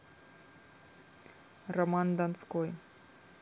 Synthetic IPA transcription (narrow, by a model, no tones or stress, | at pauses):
rəmand̪anskoj